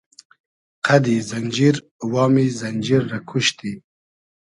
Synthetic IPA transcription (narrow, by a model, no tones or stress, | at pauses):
qʰad̪izand͡ʒiɾ | wɑːmizand͡ʒiɾːakʰuʃt̪i